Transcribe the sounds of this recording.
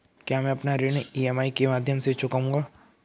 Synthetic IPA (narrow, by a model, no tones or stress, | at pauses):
kjamẽɐpnaɾeniɛmaːikemaːd̪ʱjəmset͡ʃʰʊkaũŋɡaː